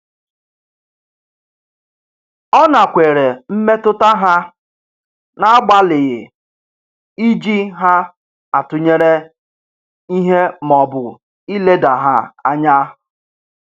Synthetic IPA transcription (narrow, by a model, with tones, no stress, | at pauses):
ɔ˦na˨kʷe˨ɾe˨m̩˦me˦tʊ˦ta˦ɦa˦ | na˦a˦ɡ͡ba˦lɪ˨ɣɪ˨ | i˦d͡ʒi˦ɦa˦ | a˨tʊ˨ɲe˦ɾe˦ | i˦ɦe˦mɔ˨bʊ˨ | i˦le˦da˨ɦa˦a˦ɲa˦